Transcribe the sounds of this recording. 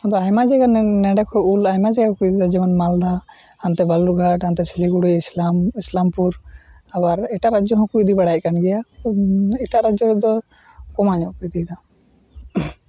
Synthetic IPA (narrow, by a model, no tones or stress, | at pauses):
ɔ̃d̪ɔajmad͡ʒɛɡannɛɖakʰɔulajmad͡ʒɛɡakujd̪id̪ad͡ʒɛmanmald̪aant̪ɛbaluɾɡʱaʈant̪ɛsɛliɡuɽiislamislampuɾ | abaɾɛʈaʔɾad͡ʒɔɦɔ̃kujd̪ibɛɽajc̚kanɡɛja | ɛʈaʔɾad͡ʒɔɾɛd̪ɔ | kɔmaɲɔʔpɾit̪id̪a